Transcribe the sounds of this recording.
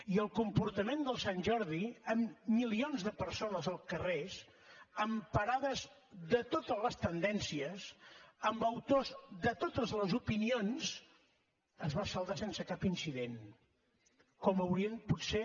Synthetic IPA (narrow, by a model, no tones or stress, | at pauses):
iəlˠkumpuɾt̪əmend̪əlˠsanʲʒɔɾðiəmːilionzðəpəɾsonəzəlˠkərez | əmpəɾaðəz | ðət̪ot̪əzləst̪ənd̪ɛnsiəzəmbəwt̪ozðət̪ot̪əzləzupinionz | əzβasəlˠd̪asensəkapinsiðen | kɔməwɾiənputse